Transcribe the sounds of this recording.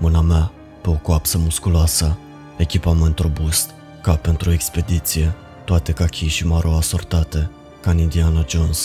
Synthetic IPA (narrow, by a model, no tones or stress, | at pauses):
mɨnamea | pe̞o̞koapsəmuskuloasə | e̞kʲipame̞nt̪ro̞bust̪ | kape̞nt̪ɾue̞kspe̞d̪it̪sije̞ | t̪oat̪e̞kakʲʰijʃimaɾʔoasort̪at̪e̞ | kanind̪ianad͡ʒons